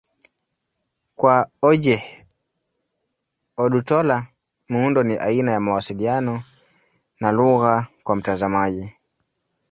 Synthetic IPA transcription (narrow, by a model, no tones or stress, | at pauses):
kwaɔʄɛ | ɔɗutɔla | muundɔniʔainajamawasilianɔ | naluɣakwam̩tazamaʄi